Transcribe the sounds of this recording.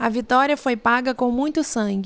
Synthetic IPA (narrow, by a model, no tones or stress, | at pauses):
ɐvit̪ɔɾiɐfojpaɡɐkõw̃mũj̃t̪ʊsɐ̃ɡʲɪ